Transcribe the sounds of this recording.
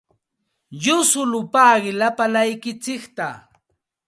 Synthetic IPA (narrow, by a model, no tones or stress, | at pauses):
jʊsʊlʊpaːɢɪlapalajkɪt͡sɪkt̪a̰